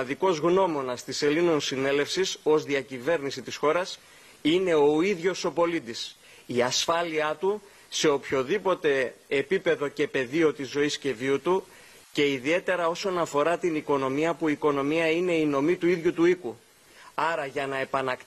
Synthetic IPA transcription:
ðiko̞zɣno̞mo̞nɐst̪ise̞lino̞nsine̞lefsiso̞zðiɐcive̞ɾnisit̪isxo̞ɾɐs | ine̞o̞iðʝo̞so̞po̞lid̪is | iɐsfɐliɐt̪u | se̞o̞pço̞ðipo̞t̪e̞ːpipe̞ðo̞ce̞pe̞ðio̞t̪izːo̞isce̞viut̪u | ce̞iðie̞t̪e̞ɾɐo̞so̞nɐfo̞ɾɐt̪iniko̞no̞miɐpuiko̞no̞miɐine̞ino̞mit̪uiðʝut̪uiku | ɐɾɐʝɐnɐe̞pɐnɐk

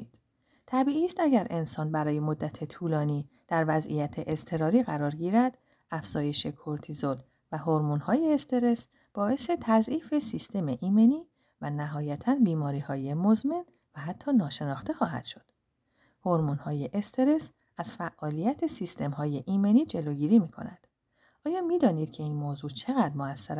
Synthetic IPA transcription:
t̪ʰæbiːʔiːst̪æɟæɾʔe̞nsɒːnbæɾɒːje̞mo̞d̪ːæt̪ʰe̞t̪ʰuːlɒːniː | d̪̥æɾvæzʔḭjæt̪ʰe̞ʔest̪ʰe̞ɾɒːɾiːɣæɾɒːɾɟiːɾæd̪̥ | æfz̥ɒːje̞ʃe̞kʰoɾt̪ʰizol | væɦo̞ɾmunhɒːje̞ːst̪ʰe̞ɾe̞s | b̥ɒːʔe̞se̞t̪ʰæzʔiːfe̞sist̪ʰe̞meʔiːme̞niː | vænæɦɒːjæt̪ʰænbiːmɒːɾiːhɒːje̞mozmen | væɦæt̪ʰːɒːnɒːʃe̞nɒːxt̪e̞xɒːɦæ̰d̪̥ʃo̞d̪̥ | hoɾmunhɒːje̞ʔest̪ʰe̞ɾe̞s | æz̥fæʔːɒːlijæt̪ʰe̞sist̪ʰe̞mhɒːje̞ʔiːme̞niːd͡ʒe̞loːɟiːɾiːmiːkʰo̞̰næ̰d̪̥ | ʔɒːjɒːmiːd̪ɒːniːd̪̥cʰe̞iːnmoːzuːt͡ʃʰe̞ɣæd̪moæsːæɾ

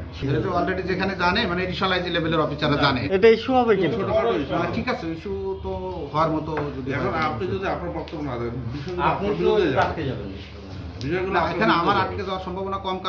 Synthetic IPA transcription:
ʃeeɾeteɔlɾeɖid͡ʑekʰaned͡ʑanemaneeɖiʃonlajd͡ʑilebeleɾɔfisaɾːed͡ʑaneeʈaiʃubʱɔbekenʰoʈaɾoeaʈʰikasʰeiʃut̪oɦɔeaɾmɔt̪ood̪iɛkʰonapnid͡ʒod̪iapnaɾbɔk̚t̪obonad̪abenbiʃɔjɡuapnoɡiɾoaɾakt̪ed͡ʑabeniʃ | biʃɔjɡulaekʰaneamaɾaʈked͡ʑawaɾʃɔmbʱabonakɔmka

